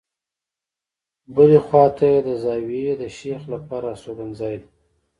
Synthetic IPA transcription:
bəlexwɑt̪ʰajed̪əzɑwied̪əʃexlapɑɾasoɡanzɑjd̪

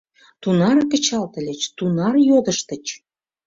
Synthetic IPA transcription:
t̪unɑɾkə̆t͡ɕɑlt̪ə̆lʲĕt͡ɕt̪unɑrjod̪əʃt̪ə̆t͡ɕ

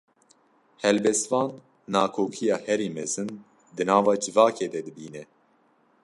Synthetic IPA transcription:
hɛlbɛst̪vɑːnː | ɑːkʰoːkʰijɑːhɛɾiːmɛzɨn | d̪ɨnɑːvɑːd͡ʒɨvɑːkʰeːd̪ɛd̪ɨbiːnɛ

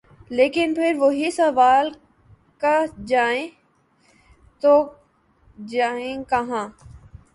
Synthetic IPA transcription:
leːkɪnpʰɪɾʋoɦisɐʋaːl | kad͡ʒaːẽ | t̪o | d͡ʒaːẽkɐɦãː

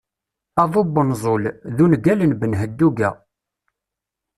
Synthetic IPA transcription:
ɑðˤobənzˤolðunɡælənbənɦəd̪ːuɡæ

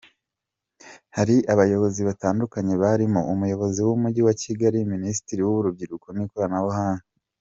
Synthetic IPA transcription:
haɾiʔaβajo̞βo̞ziβataːndukaɲe̞βaɾimoumujo̞βo̞ziwumuɟiwaciɡaɾiminisi̥tiɾiwuβuɾub̚ɟiɾukonikoɾanawohaːnu

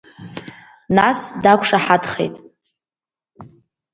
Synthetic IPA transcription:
nasdakʷʰʂaħadχḛjtʼ

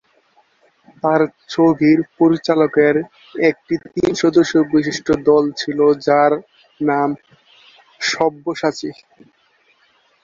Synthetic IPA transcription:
t̪aɾt͡ɕobʱiɾpoɾit͡ɕalokeɾ | ek̚ʈit̪inʃɔd̪oʃːobiʃiʃʈʰod̪ɔlt͡ɕʰilod͡ʑaɾ | nam | ʃɔbːoʃat͡ɕi

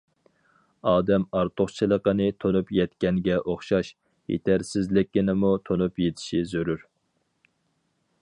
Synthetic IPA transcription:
ɑːd̪ɛmɑɾt̪ʰoχt͡ʃʰilˠəqənɨt̪ʰonupjɛt̪kʲɛnɡʲɛʔoχʃɑʃ | jḛt̪ʰæɾsɪzlɪkʲːɪnɪmut̪ʰonupjet̪ʰɪ̥ʃizøɾyɾ

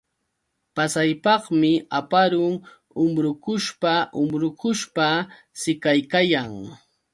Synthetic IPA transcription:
pasajpɑχmɪapaɾʊŋ | ʊmɾʊkʊʃpaʔʊmɾʊkʊʃpa | sɪkajkajaŋ

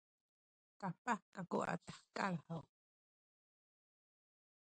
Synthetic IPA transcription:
kapakakuʔa̰t̪ḁħkʼalhəw

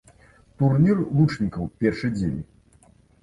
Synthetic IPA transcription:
t̪urnʲirlˠut͡ʂnʲikɐwpʲɛrʂɨjd͡zʲḛnʲi

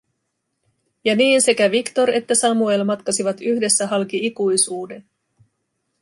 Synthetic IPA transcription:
jɑniːnse̞kæʋikt̪o̞ɾe̞t̪ːæsɑmue̞lmɑt̪kɑsiʋɑt̪yhde̞sːæɦɑlkiikujsuːde̞n

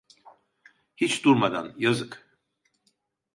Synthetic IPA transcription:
hit͡ʃʰd̪uɾmad̪a̰njazɨkʰʼ

